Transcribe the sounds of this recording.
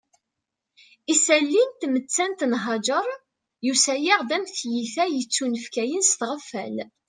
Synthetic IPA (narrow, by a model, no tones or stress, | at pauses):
isælːint̪mət͡sːænt̪nɦɑd͡ʒəɾˤ | jusæjiʁðæmθjiθæjət͡sːunəfkæjənst̪ʁəfːæ̰l